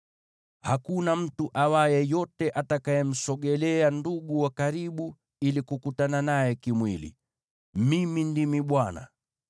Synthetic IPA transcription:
hakunam̩tuʔawajɛjɔtɛʔatakajɛm̩sɔɠɛlɛanduɠuwakaɾiɓu | ilikukutananajɛkimwilḭ | mimindimiɓwana̰

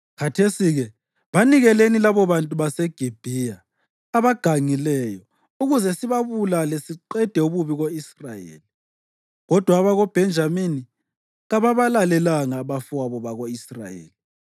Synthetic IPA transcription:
kʰatʰesiɣɛ | βaniɣɛlenilaβɔβantʼuβasɛɡ̥ʱib̥ʱijaː | βaɡ̥ʱaŋilɛjɔ | uɣuzɛsiβaβulalɛsiǃɛd̥ʱɛuβuβiɣoisrajḛːli | ɣɔd̥ʱwaβaɣob̥ʱɛnd͡ʒʱamini | ɣaβaβalalɛlaŋaβafaβɔβaɣoisra̰jḛːli

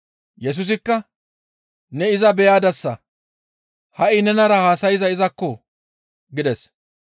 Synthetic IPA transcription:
jɛs̬ʊs̬ɪkːɐ | nɛɪzɐbɛjaːd̪ɐsːɐ | hɐʔɪnɛnɐɾɐhaːsɐjɪzɐɪzɐkːɔ | ɡɪd̪ɛs

